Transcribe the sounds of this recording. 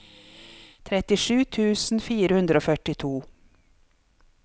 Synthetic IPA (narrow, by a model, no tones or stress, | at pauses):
t̪ʰɾɛt̪ɪʂʉːt̪ʰʉːsn̩fiːɾəhʉnd̪ɾəoːfœʈɪt̪ʰuː